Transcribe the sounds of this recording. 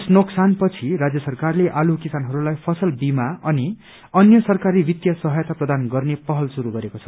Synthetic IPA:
snoksanpʌt͡sʰiɾad͡zjʌsʌrkarleʔalukisanɦʌɾulajpʰʌsʌlbimaʌni | ʌnjʌsʌrkaɾibit̪jʌsʌɦʌjt̪aprʌd̪anɡʌrnepʌɦʌlsuɾuɡʌɾekot͡sʰʌ̥

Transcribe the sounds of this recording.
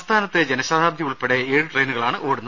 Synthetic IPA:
st̪ʰaːnɐt̪ːed͡ʑenɐɕaːd̪ʱaːbd̪jɐmuɭpeɽeeːɻɨʈrejnuɣɐɭaːɳɨʔoːɽunːɐ

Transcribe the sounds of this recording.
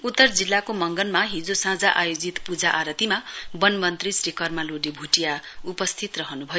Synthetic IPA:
ut̪ːʌrd͡zilːakomʌŋɡʌnmaɦĩd͡zosãd͡zaʔajod͡zit̪pud͡zaʔaɾʌt̪imabʌnmʌnt̪risrikʌrmaloɖebʱuʈijaupʌst̪ʰit̪rʌɦʌnubʱʌjo

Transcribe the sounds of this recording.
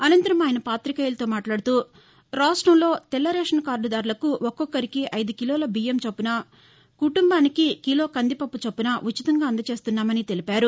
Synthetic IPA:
ɐnɐnt̪ɐɾɐmaːjɐnɐpaːt̪ɾikɐjilɐt̪oːmaːʈlaːɽut̪uː | ɾaːsʈɐmlo̞ːt̪ɛlːɐɾeːʂɐnkaːɾlud̪aːɾulɐkuʔɔkːɔkːɐɾikiʔɐjd̪ukiloːlɐbiːjemt͡ʃɐpːunɐ | kuʈumbaːnikikilo̞ːkɐnd̪ipɐpːut͡ʃɐpːunɐʔut͡ʃːit̪ɐŋɡaːɐnd̪ɐt͡ʃe̞ːst̪unːaːmɐnit̪e̞lipaːɾu

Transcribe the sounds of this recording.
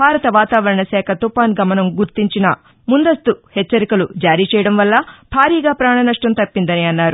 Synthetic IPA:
bʱaːɾɐt̪ɐʋaːt̪aːʋɐɾɐɳɐsɛːkʰɐt̪upaːnɡɐmɐnɐmɡuɾt̪iɲt͡ʃinɐ | mund̪ɐst̪uhɛt͡ʃːɐɾikɐlud͡ʒaːɾiːt͡ʃɛːjɐɽɐmʋɐlːɐbʱaːɾiːɡaːpɾaːɳɐnɐʂʈɐmt̪ɐpːind̪ɐniɐnːaːɾu

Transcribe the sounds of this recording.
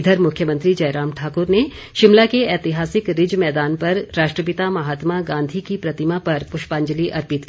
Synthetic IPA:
d̪ʱəɾmʊkʰjəmɐ̃nt̪ɾid͡ʒɐjɾaːmʈʰaːkʊɾne | ʃɪmlakeɛːt̪ɪɦaːsɪkɾɪd͡ʒmɛːd̪aːnpɐɾːaːʃʈɾəp̬ɪt̪amɐɦaːt̪maɡãːnd̪ʱikipɾɐt̪ɪmapɐɾpʊʃpãːɲd͡ʒəliʔɐɾpɪt̪

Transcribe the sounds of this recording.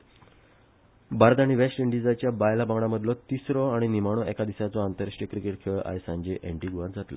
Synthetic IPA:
baɾd̪aɽ̃iʋesʈiɳɖid͡zat͡ɕjabajlabaŋɡɽaməd̪ʱlɔt̪isɾɔaɽ̃inimaɽ̃oɛkad̪isat͡sɔant̪əɾaʂʈjəkɾikeʈkʰeɭa̰ɦjsãɲd͡ʑeʔeɳʈiɡuʋat̪̚d͡zat̪lə̰

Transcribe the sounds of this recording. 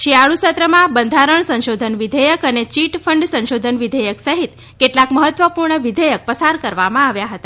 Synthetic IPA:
ʃiaɭusət̪ɾəmãbənd̪ʱaɾəɳsə̃nʃod̪ʱənʋid̪ʱejəkənet͡ʃiʈfʰəɳɖsə̃nʃod̪ʱənʋid̪ʱəjəksəɦit̪ | keʈlakməɦət̪ʋəpuɾɳəʋid̪ʱəjək̚pəsaɾkəɾʋamãaʋjaɦət̪a

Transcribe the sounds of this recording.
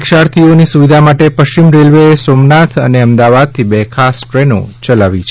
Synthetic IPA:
kʃaɾt̪ʰionisuʋid̪ʱamaʈepəʃt͡ʃimɾelʋeesomnat̪ʰə̰neəmd̪aʋad̪̚t̪ʰibekʰasʈɾeno̰t͡ʃəlaʋit͡ʃʰ

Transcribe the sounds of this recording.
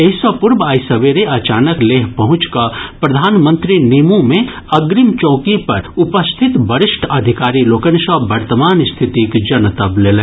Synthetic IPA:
eɦsəpʊɾbaːjsɐʋeɾeɐt͡ʃaːnəkleːɦpɐɦʊ̃t͡ʃkapɾɐd̪ʱaːnmə̃nt̪ɾinimũmẽ | ɐɡɾɪmt͡ʃɔ̃ːkipɐɾʊpəst̪ʰɪt̪bɐɾɪʃʈʰɐd̪ʱɪkaːɾiloːkə̃nʃɔʋɐɾt̪əmaːnst̪ʰɪt̪ikd͡ʒɐnt̪ɐbleːlẽː

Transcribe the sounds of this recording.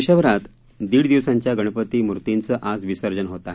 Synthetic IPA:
ɕəʋɾat̪ | d̪iːɽd̪iʋsãɲt͡ɕjaɡəɽ̃pət̪iːmuɾt̪int͡səʔad͡zʋisəɾd͡ʑənɦot̪a

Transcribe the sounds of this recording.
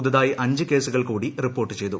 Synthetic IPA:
ðɐðaːjiʔɐɲd͡ʑɨke̞ːsuɣɐɭkuːɽiripːo̞ːrʈːɨt͡ɕe̞jt̪u

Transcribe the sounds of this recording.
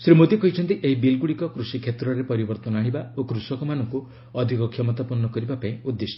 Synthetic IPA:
sɾimot̪ikɔɦit͡ʃʰɔnt̪iʔeɦibilɡuɽikɔkɾusikʰet̪ɾɔɾepɔɾibɔɾt̪ɔnaɽ̃ibaokɾusɔkɔmanɔŋku | ɔd̪ʱikɔkʰjɔmɔt̪apuɾnɔkɔɾibapaĩud̪ːesɔ

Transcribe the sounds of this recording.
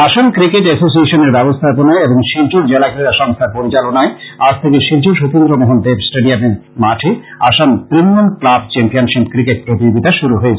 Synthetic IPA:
aʃankɾikeʈɛsos̬ieʃoneɾbɛbost̪ʰaponaeeboŋʃiɾd͡ʑuɾd͡ʑelakɾeɾaʃɔŋst̪ʰaɾpoɾit͡ɕalonaead͡ʑt̪ʰekeʃiɾd͡ʑuɾʃot̪ind̪ɾomoɦond̪ebsʈeɖiameɾ | maʈʰe | aʃant̪ɾinːonklabt͡ɕɛmpionʃipkɾikeʈ̚pɾot̪id͡ʑoɡit̪aʃuɾuɦoet͡ɕʰ

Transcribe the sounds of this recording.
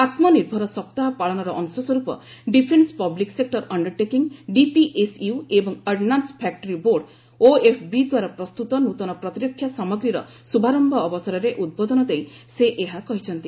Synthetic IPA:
at̪mɔniɾbʱɔɾɔsɔp̚t̪aɦpaɭɔnɔɾɔʔɔŋsɔsɔɾupɔɖipʰenspɔbliksek̚ʈɔɾɔɳɖɔɾʈekiŋɖipiʔesuebɔŋəɖnanspʰɛk̚ʈɔɾiboɾɖ | oepʰbid̪waɾapɾɔst̪ut̪ɔnut̪ɔnɔpɾɔt̪iɾɔkʰːjasamɔɡɾiɾɔ | subʱaɾɔmbʱɔːbɔsaɾɔɾeʔud̪̚bod̪ɔnɔd̪ejseʔeɦakɔɦit͡ʃʰɔnt̪i

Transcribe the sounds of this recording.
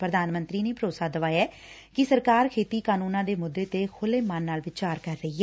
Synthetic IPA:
pɾəd̪aːnmənt̪ɾiːneːpəɾoːsaːd̪əʋaːjɛː | kɪsəɾkaːɾkʰeːt̪iːkaːnuːnãːd̪eːmʊd̪ːeːt̪eːkʰʊleːmanːaːlʋɪt͡ʃaːɾkəɾːəiːɛː

